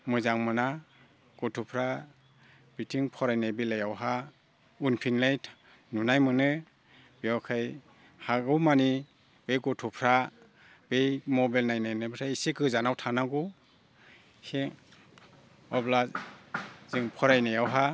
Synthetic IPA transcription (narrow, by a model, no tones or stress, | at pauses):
mɯzaŋmɯna | ɡ̥ɔtʰupʰɾa | b̥itʰiŋpʰɔɾajnajbilajawɦa | unpʰinlajtʰ | nunajmɯnɯ | biawkʰaj | haɡɯwmani | b̥ejkɔtʰupʰɾa | b̥ejmɔbalnajnajnɯbɯtʰaisikɯzanawtʰanaɡu | he | ɔbla | ziŋpʰɔɾajnajawɦa